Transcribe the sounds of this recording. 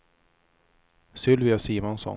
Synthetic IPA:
sʏlvɪasiːmɔnsɔ̰

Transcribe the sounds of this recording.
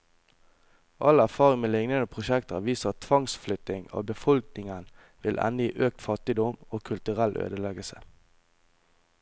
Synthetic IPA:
ʔɑlæʁfɑːʁɪŋmeːlɪŋnənəpʰʁʊʃɛkt̪ɑʋiːsəɑt̪ʰʋɑŋsflʏt̪ɪŋo̰ːbəfɔlknɪŋən | ʋɪlʔɛ̰nəjiːʔøːk̚t̪fɑt̪ɪd̪ɔmoːkʰʉlt̪ʉʁælʔø̰ːd̪əlɛɡəlsə̥

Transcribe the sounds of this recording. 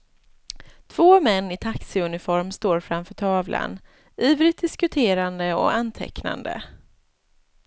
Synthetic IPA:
t̪ʰv̥oːmɛnːɪt̪ʰaksɪɵnɪfɔɾmst̪oːɾfɾamfœːʈʰɑːvlʔa̰n | yːvɾɪt̪̚d̪ɪskɵt̪ʰeːɾand̪əɔ̰ant̪ʰɛ̰kna̰nd̪ə̰

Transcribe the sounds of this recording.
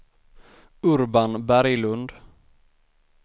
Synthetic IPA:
ɵɾbanbæɾjlɵnd̪

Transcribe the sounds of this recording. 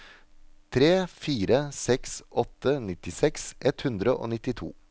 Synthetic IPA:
t̪ʰɾeːfiːɾəsɛksʔɔt̪ːənɪt̪ɪsɛksʔɛt̪hʉnd̪ɾəʔo̰ːnɪt̪ːɪt̪ʰṵː

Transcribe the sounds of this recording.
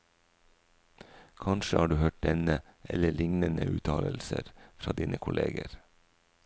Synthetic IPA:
kʰɑnʃəhɑːɖʉːhøːʈ̚d̪ɛnəʔɛləɭɪŋnənəʔʉːt̪ʰɑːləlsəɾfɾɑːd̪iːnʔəkʰʊlʔeːɡəɾ

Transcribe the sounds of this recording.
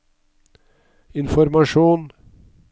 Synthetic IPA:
ɪnfɔɾmɑʃuːn

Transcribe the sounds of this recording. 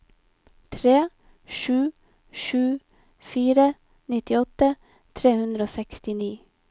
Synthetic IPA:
t̪ʰɾeː | ʃʉː | ʃʉː | fiːɾə | nɪt̪ɪɔt̪ə | t̪ʰɾeːhʉnd̪ɾəoːsɛkst̪ɪniː

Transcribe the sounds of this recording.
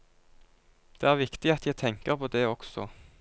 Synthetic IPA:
d̪̥eːæːʁʋɪkt̪ɪɑt̪ʰjæɪt̪ʰɛŋkəʁpʰoːd̪eːɔksɔ̰

